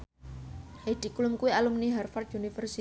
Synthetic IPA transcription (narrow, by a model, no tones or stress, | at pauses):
hed̪̥i̤kulʊmkuwialʊmniɦarfart̪unifərsi